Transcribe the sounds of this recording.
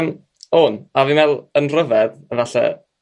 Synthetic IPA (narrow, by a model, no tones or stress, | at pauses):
m | oːnavinvɛlˠənrəvɛðəvaɬɛ̰